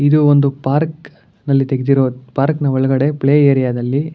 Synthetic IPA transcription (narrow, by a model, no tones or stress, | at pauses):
id̪uond̪upaːɾk | nɐlːit̪eɡed̪iɾoːpaːɾknɐʋɔɭɐɡɐɽe̞pɭeːeːɾijaːd̪ɐlːi